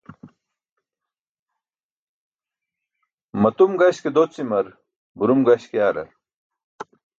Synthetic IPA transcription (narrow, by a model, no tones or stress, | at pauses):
mɐt̪umɡɐɕked̪oːt͡simɐɾ | buɾumɡɐɕkejaːɾɐ̰